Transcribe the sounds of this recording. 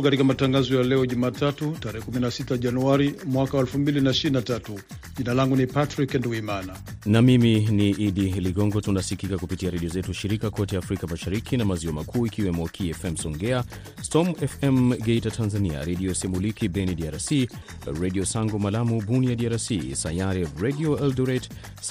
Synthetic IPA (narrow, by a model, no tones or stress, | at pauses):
katikamataŋɡazɔjalɛɔʄumatatutaɾɛhɛkuminasitaʄanuaɾimwakawaɛlfumbilinaiʃiɾinatatu | ʄinalaŋɡunipatɾiknduɡuimana | namiminiʔiɗiliɡɔŋɡɔtunasikikakupitiaɾɛɗiɔzɛtuʃiɾikakɔtɛjaːfɾikamaʃaɾikʰinamaziɔmakʰuːikiwɛmɔkʰiɛfɛmsɔŋɡɛa | stɔmɛfɛmɡɛitatʰanzania̰ɾɛɗiɔsɛmulikibɛnidiaɾasi | ɹɛɗiɔsaŋɡɔmalamubuniadiaɾasisajaɾɛɹɛdiɔɛlduɾɛt